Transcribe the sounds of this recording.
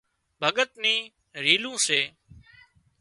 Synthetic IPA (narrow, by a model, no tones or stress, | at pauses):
bʱəɠət̪nĩː | ɾiːlũːseː